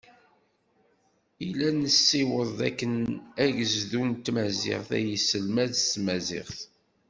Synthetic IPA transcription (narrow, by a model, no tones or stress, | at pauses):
ilænəsːiwəðˤæ̰kːənæʝəzðunt̪ːmæzɪ̰ʁθæ̰jisəlmæðsmæzɪ̰ʁθ